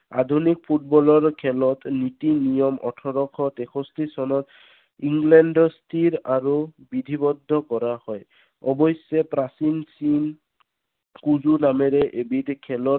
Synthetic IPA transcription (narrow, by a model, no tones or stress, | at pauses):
ad̪ʱunik̚pʰut̚bɔlɔɹkʰɛlɔt̪nitinijɔmɔ̰tʰɔɾɔkʰɔtɛkʰɔstʰisɔnɔt̪ | iŋɡlɛndɔstʰiɾaɹubid̪ʱibɔd̪ʱːɔkɔɹahɔj | ɔbɔjsɛpɹasinsin | kuzunamɛɾɛʔebitkʰɛlɔ